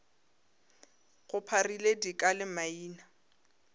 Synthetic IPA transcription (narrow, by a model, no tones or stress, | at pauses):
ɣʊpʰariledikʼalɪmaiːna